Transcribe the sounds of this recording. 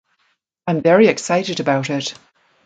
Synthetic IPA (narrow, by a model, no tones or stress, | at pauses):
ãɪ̃ɱvɛɹiɪksaɪʔɨɾəbaʊɾɪt